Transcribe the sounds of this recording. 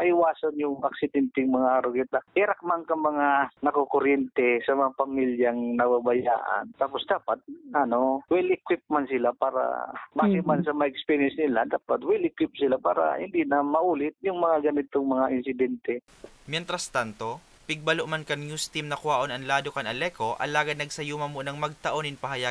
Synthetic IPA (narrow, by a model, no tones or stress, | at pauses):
mɐʔɪwaːsanjʊŋʔɐ̰k̚sɪd̪ɛnt̪ɪŋmɐŋaʔɾʊɡɪt̪ahɛɾɐk̚mankɐŋmɐŋanɐkokoɾjɛnt̪ɛsɐmɐŋapɐmiljɐŋnɐbabɐja̰ːʔa̰nt̪aːposd̪aːpat̪̚ʔɐno̞wɛlʔɪkwɪp̚mansɪlapaːɾa̰baɡɪmansɐmaʔɛkspɛɾiɛnsnɪlad̪aːpat̪wɛlɪkwɪp̚sɪlapa̰ːɾa̰hɪ̰nd̪inɐmɐʔuːlɪt̪̚jʊŋmɐŋaɡɐnɪt̪oŋmɐŋaʔɪnsɪd̪ɛnt̪ɛ | mjɛnt̪ɾɐst̪ant̪o̞ | pɪɡ̚bɐloʔmankɐŋjuːst̪imnɐkʊaːʔo̞nɐnlaːd̪okɐnɐlɛːko̞ʔɐ̰laːɡɐd̪nɐɡ̚sɐjuːmɐmonɐŋmɐɡ̚t̪ɐʔo̞nɪŋpɐɦɐja